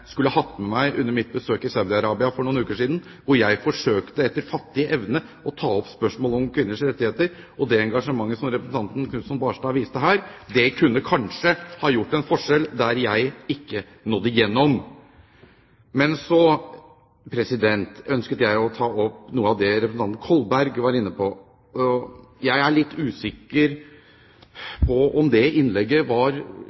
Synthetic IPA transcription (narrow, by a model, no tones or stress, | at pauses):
skʉləəɦɑt̪ːmɛmæɪʔʉnːəɾmɪt̪̚bəsøːkɪsaʉd̪ɪɑɾɑːbɪɑfɔɳuːnʉːkəʂiːd̪n̩ | ʋʊɾjæɪfɔʂøːkt̪əɛt̪ːəɾfɑt̪ːɪəʔɛʋnə | ɔt̪ʰɑːɔpspœʂmoːlɔmkʰʋɪnːəʂɾɛt̪ːɪheːt̪əɾ | ʔɔd̪ɛɛŋɡɑʂəmɑŋːəsɔmɾɛpɾəsn̩t̪ɑnt̪n̩kʰnʉːsɔnbɑːʂʈɑːʋiːst̪əɦæːɾd̪ɛkʰʉnːəkʰɑnʂəhɑːjʊʈːɛnfɔʂɛld̪æɾjæɪɪkːə | nɔd̪ːəjɛnːɔm | mɛnsɔ | pʰɾɛsɪd̪ɛnt̪œnskət̪əjæɪɔt̪ʰɑːɔpnuːəɑʋd̪ɛɾɛpɾsn̩ɑnn̩kʰɔlbæɾɡʋɑɾɪnːəpʰɔ | ɔjæɪæɭɪt̪ːʉːsɪkːəɾ | pʰɔɔmd̪ɛɪnlɛɡːəʋɑɾ